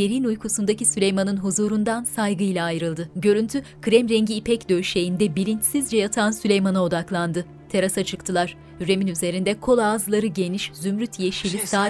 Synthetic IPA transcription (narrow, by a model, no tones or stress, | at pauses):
eɾinujkʰusund̪acisylʲejmanɯnɦuzuːɾund̪ansajɡɯilʲaːjɾɯlˠd̪ɯɟø̞ɾynt̪ʰykʰɾɛmɾɛɲɟiːpʰɛcd̪ø̞ʃe̞jind̪ɛbilʲint͡ʃsizd͡ʒɛjat̪ʰansylʲejmanao̞d̪aklˠand̪ɯ | t̪ʰe̞ɾasat͡ʃʰɯkt̪ʰɯlˠaɾ̥ | yɾe̞minyze̞ɾind̪ɛkʰo̞lˠaːzɯlˠaɾɯɟe̞niʃzymɾyt̪ʰje̞ʃilʲisaː